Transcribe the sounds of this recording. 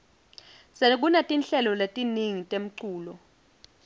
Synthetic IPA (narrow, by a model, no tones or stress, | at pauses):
sek̬ʼunatʼinɬɛlɔletʼiniŋitʼem̩ǀuːlɔ